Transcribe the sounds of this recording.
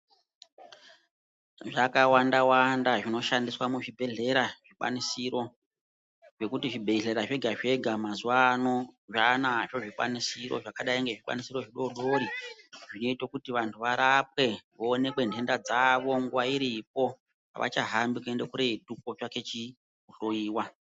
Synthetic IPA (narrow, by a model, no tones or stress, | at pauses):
ʐakawandawandaʐino̞ʃandiswamuʐibʱe̞ɮe̞ɾaʐ̥ikwa̰nisiɾo̞ | ʐe̞kutiʐibʱe̞ɮe̞ɾaʐe̞ɡʱaʐe̞ɡʱamazuano̞ʐanaʐo̞ʐikwa̰nisiɾo̰ʐakaɗaiŋɡe̞ʐikwa̰nisiɾo̞ʐiɗo̞ɗo̞ɾiʐino̞itokutiʋantʰuʋaɾap̚we̞ʋoːne̞kwe̞ndʱe̞ndad͡zaʋo̞ŋɡuwaiɾip̚o̞ | a̰ʋʔa̰t͡ʃaɦambikue̞nde̞kuɾeituk̚o̞t͡ʃake̞t͡ʃi | uɬoiːwa